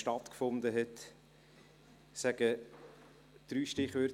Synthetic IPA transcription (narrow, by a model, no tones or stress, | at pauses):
ʃtɑt̪kfʊnd̪əɦɛt̪ | sæɡ̥ə | d̪̥ɾyːʃtɪχʋøɾ